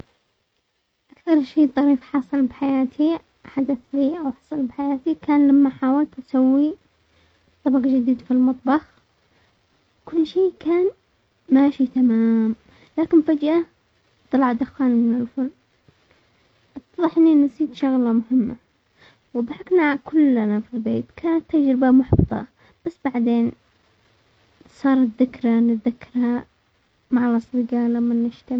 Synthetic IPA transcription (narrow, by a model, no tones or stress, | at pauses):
ʔakθɑɾˤʃiːt̪ˤːɑɾiːfħɑsˤɨlbħajaːt̪ʰi | ħad̪aθliːʔawħɑ̥sˤɑlbħajaːt̪ikaːnlamːaħaːwalt̪ʔasawːi | t̪ˤːɑbɑqd͡ʒɪd̪iːd̪filmɑt̪ˤbɑx | kʊlːʃiːkʰaːn | maːʃit̪amaːm | laːkɪnfad͡ʒʔa | t̪ɑlɑʕd̪axaːnmɪnɪlfʊl | ʔɑt̪ːɑðˤɑħʔɪnːiʔnasˤiːd̪ʃʊɣlamʊhɪmːa̰ | wðˤɑħɑknakʊlːnafilbeːt̪kʰaːnat̪ːad͡ʒɾɪbamʊħbt̪ˤɑ̰ | b̥asːbaʕd̪eːn | sˤɑːɾˤɑt̪ðɪkɾanɪt̪ðakːɑɾˤha | maʕalʔɑsˤbɪɡalamːanːɪʃt̪am